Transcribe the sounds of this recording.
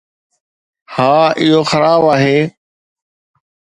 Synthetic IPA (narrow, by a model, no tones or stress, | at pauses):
hãːɪɦoːxəɾaːbaːɦeː